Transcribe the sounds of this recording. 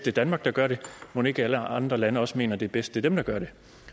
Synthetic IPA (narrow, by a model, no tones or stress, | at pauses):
d̥ed̥ænmɑ̈ɡ̥̚d̥ɑ̈ɡ̥ɶɐɾemone̝ɡ̥əæləɑ̈nd̥ʁɐlænəɒ̽səme̝̰ːnɐd̥e̝b̥esd̥d̥e̝d̥emd̥ɑ̈ɡ̥ɶɐɾ̥e̝